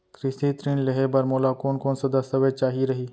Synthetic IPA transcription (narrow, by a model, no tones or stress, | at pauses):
kɾɪsit̪ɾinlɐɦebɐɾmoːlakoːnkoːnsɐd̪ɐsəʋet͡ʃaːɦiɾɐɦiː